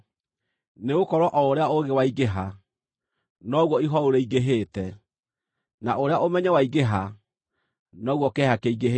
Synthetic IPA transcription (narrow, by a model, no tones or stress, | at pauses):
neɣokɔɾɔʔɔoɾeaoɣewaiɣeɦa | nɔɣwɔiɦɔoɾeiɡeɦeːtɛ | naʔoɾeaʔomɛɲɛwaiɡeɦa | nɔɣwɔkɛhakeiɡeɦ